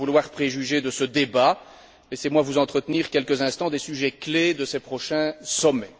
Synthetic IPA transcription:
vulwaʁpχeʒyʒed̪əsəd̪eba | lɛsemwavuzɑ̃t̪χət̪niʁkʲɛlkəzɛ̃st̪ɑ̃d̪esyʒɛkled̪əsepχɔʃɛ̃sɔmɛ

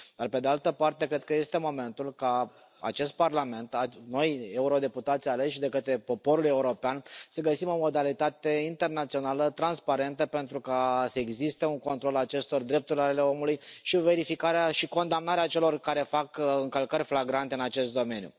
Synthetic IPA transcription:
d̪̥arpe̞d̪ealt̪əpart̪e̞kɾe̞d̪̚kəje̞st̪e̞mo̞me̞nt̪ulka | a̰t͡ʃe̞st̪̚parlame̞nt̪ano̞je̞uɾo̞d̪e̞put̪at̪sʲale̞ʃd̪e̞kət̪ɾe̞po̞po̞ɾule̞uɾo̞peansəɡəsimo̞mo̞d̪alit̪at̪e̞int̪e̞rnat̪sio̞nalət̪ɾanspaɾe̞nt̪əpe̞nt̪ɾukasəeɡzist̪e̞uŋko̞nt̪ɾo̞lat͡ʃe̞st̪o̞rd̪ɾe̞p̚t̪uɾʲlale̞o̞mulujʃive̞ɾifikaɾeaʃiko̞nd̪amnaɾeat͡ʃe̞lo̞rkaɾe̞fakɨŋkəlkəɾʲflaɡɾant̪e̞ɨnat͡ʃe̞st̪̚d̪o̞me̞njṵ

